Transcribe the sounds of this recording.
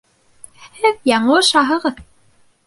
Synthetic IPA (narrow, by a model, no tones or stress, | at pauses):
hɘðjɑɴɤoʃɑɦɤ̆ʁɤð